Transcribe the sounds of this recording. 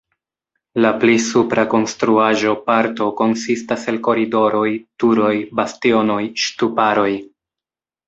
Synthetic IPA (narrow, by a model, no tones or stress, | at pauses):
laplisupɾʔako̞nstɾuaʒo̞paɾto̞ko̞nsistaselko̞ɾido̞ɾo̞jtuɾo̞jbastio̞no̞jʃtupaɾo̞j